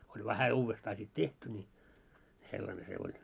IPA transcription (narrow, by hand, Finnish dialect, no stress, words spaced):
olʲ ʋæhæ uːʋːestɑː sit tehty nʲi selːɑne se olʲ